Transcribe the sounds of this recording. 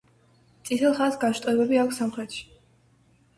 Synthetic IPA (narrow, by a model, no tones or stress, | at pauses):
t̪sʼit̪ʰɛlˠχasɡaʃt̪ʼɛbɛbiakʷʰsːamχɾɛt̪ʃi̥